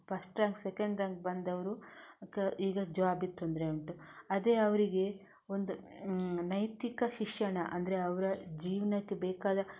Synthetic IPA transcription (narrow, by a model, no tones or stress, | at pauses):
pɐsʈɾɐŋɡsekɐɳɖɾɐŋɡbɐnd̪ɐʋɐɾukeiːɡɐd͡ʒɐʋaːbit̪ːond̪ɾeuɳʈuɐd̪eːɐʋɐɾiɡe̞ | o̞nd̪unɐjt̪ikɐʃiʂjɐɳɐʔɐ̰nd̪ɐɾe̞ɐʋɐɾɐd͡ʒiːʋɐnɐkːebɛːkaːd̪ɐ